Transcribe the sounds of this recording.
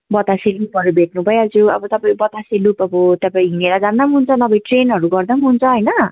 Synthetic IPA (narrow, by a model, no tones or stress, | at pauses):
bʌt̪aselupɦʌɾubʱeʈ̚nubʱʌeʌd͡zuʌbʌt̪ʌpaĩbʌt̪aselupʌbʌt̪ʌpãĩɦineɾad͡zand̪ʌmɦunt͡sʰʌnʌbʌjʈrenɦʌɾuɡʌrd̪ʌmɦunt͡sʰʌɦʌjnʌ